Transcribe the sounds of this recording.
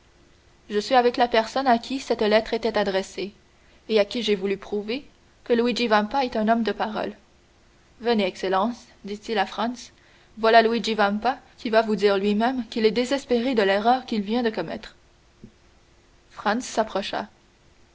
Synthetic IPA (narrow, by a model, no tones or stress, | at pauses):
ʒəsɥiavɛklapɛʁsɔnakʲʰisɛt̪lɛt̪χet̪ɛt̪ad̪ʁɛse | eakʲiʒevulypχuve | kəlwid͡ʒivãmpaɛt̪ɛ̃nɔmd̪əpaʁɔ̰l | vəneɛkselɑ̃s | d̪it̪ilafχɑ̃ns | vwalalwid͡ʒivãmpakʲivavud̪iːʁlɥimɛmkʲilɛd̪ezɛspeʁed̪əlɛʁœːʁkʲilvjɛ̃d̪əkɔmɛ̰t̪χ | fχɑ̃nsːapχɔʃa̰